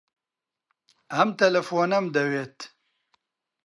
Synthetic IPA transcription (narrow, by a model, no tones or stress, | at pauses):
hɐmt̪ɐlɐfoːnɐmd̪ɐweːt̪